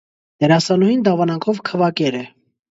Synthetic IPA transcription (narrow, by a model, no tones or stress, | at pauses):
d̪ɛɾɑsɑnɔjind̪ɑvɑnɑŋkʰɔvkʰəvɑkɛɾɛ